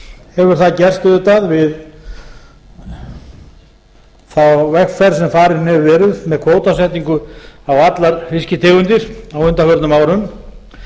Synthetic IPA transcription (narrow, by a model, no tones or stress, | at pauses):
hɛvʏɾ̥θaðcɛr̥st̪ʏðʏt̪aðvɪð | θawvɛxkfɛɾ̥sɛmfaːɾɪnɛvvɛːɾʏðmɛðkʰvoːwt̪asɛht̪niŋkʏawat̪laɾfɪscɪt̪ʰɪːɣʏnt̪ɪɾ̥awʏnt̪afœɾt̪nʏmaːwɾʏm